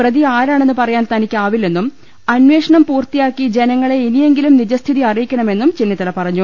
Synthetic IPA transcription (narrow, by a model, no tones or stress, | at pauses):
prɐðiaːɾaːɳe̞nːɨpɐrɐjaːnt̪ɐnikʲːaːʋilːe̞nːum | ɐnwe̞ːʂɐɳɐmpuːrt̪ijaːkːid͡ʑe̞nɐŋːɐɭe̞inije̞ŋɡilumnid͡ʑɐst̪ʰiðiɐrijikʲːɐɳɐme̞nːumt͡ɕinːit̪ːɐlɐpɐrɐɲːu